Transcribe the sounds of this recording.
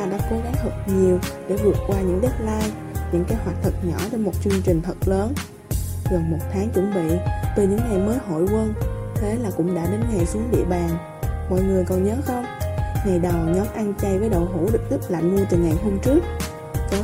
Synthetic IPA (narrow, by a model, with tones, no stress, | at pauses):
aː˧ɗa̰ː˧˥ko˨˦ɣa˨˦ŋt̪ʰə˨˩t̚ɲi˨˩əwɗḛ˧˩vɨ˨˩ətk̚kwaː˧ɲɨ̰˧˥ŋɗe˦˥t̚laː˧j | ɲɨ̰˧˥ŋkaː˨˦jhwaː˨˩t̚t̪ʰə˨˩t̚ɲɔ˧˩t͡ɕe˧nmo˨˩t̚t͡ɕɨ˧ŋt͡ɕï˨˩ŋ̟t̪ʰə˨˩t̚ləː˨˦n | ɣə˨˩nmo˨˩t̚t̪ʰaː˨˦ŋt͡ɕwə̰˧˥˩nɓḭ˧˨t̪i˨˩ɲɨ̰˧˥ŋna˨˩jməː˨˦jɦo̰˧˨jkwə˧nt̪ʰe˨˦laː˨˩kʊ̰˧˥ŋ͡mɗa̰ː˧˥ɗe˨˦nŋa˨˩jsɨ˨˦əŋɗḭ˧˨əɓaː˨˩ŋ | mɔ̰˧˨jŋɨ˨˩əjkɔ˨˩nɲəː˨˦xə˧wŋ͡mŋa˨˩jɗə˨˩wɲɔ˨˦mʔa˧nt͡ɕa˧jvəː˨˦jɗə̰˧˨wɦṵ˧˥ɗɨ˨˩k̚tɨ˦˥p̚laː˨mnu˧t̪ɨ˨˩ŋa˨˩jɦo˧mt͡ɕɨ˦˥ək̚ | kɔ˨˦